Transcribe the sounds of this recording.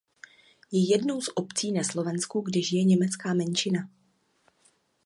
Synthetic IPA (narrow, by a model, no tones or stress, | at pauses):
jɛjɛdno̞wsʔo̞pt͡siːnaslo̞vɛnskuɡdɪʒɪjɛɲɛmɛt͡skaːmɛnt͡ʃɪna